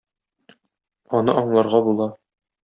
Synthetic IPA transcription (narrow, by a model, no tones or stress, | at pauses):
ɒnɤʔɒɴlˠɑɾʁɑbulˠɑ